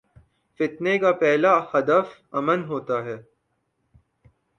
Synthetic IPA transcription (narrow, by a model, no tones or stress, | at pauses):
fɪt̪nekapɛɦlahɐd̪əf | ɐmənɦoːt̪aɦɛː